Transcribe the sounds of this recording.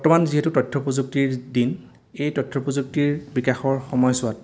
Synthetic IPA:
bɔɹtɔmanziɦetutɔtʰːɔpozuk̚tiɹdin | ejtɔtʰːɔpɔzuk̚tiɹbikaxɔɹxɔmɔjsʊat

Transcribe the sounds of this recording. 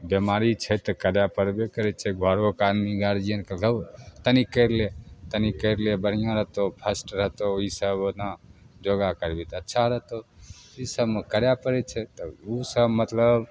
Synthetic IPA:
bemaɾit͡ʃʰɛt̪ɔkəɾjapəɾbekəɾɛt͡ʃʰɛɡʱɔɾokanniɡaɾd͡ʒiənkələt̪ənikəɪɾlet̪ənikəɾlebəɽ̤ijãɾəɦt̪opʰəsʈɾət̪oisəbnad͡ʒoɡakəɾbit̪ətːʃʰaɾəɦt̪oisəbmekəɾjapəɾɛt͡ʃʰɛt̪ɔusəbmət̪ləb

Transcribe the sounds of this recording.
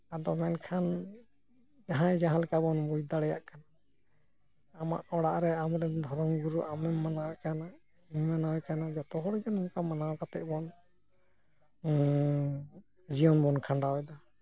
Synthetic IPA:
ad̪ɔmɛnkʰan | jaɦãjd͡ʒaɦãlɛkabɔnbujd̪aɽɛjaʔkana | ama̰ʔɔɽaʔɾɛamɾɛnd̪ʱɔɾɔŋɡuɾuʔamɛmːanawɛkana | mmanawɛkanad͡ʒɔt̪ɔɦɔɽɔd͡ʒanumkamanawkat̪ɛ̰ʔbɔn | d͡ʒiɔnbɔnkʰaɳɖawɛd̪a

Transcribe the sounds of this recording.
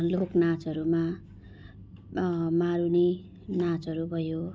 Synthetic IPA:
loknat͡sʌɾuma | maɾuni | nat͡sʌɾubʱʌjo

